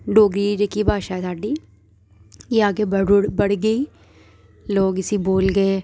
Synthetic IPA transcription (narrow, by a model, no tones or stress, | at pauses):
ɖoːɡɾiːd͡ʒekiːbʱaːʃaːɛsaːɖiː | jeːaːɡeːbəɽɡəiː | loːɡɪsiːboːlɡəeː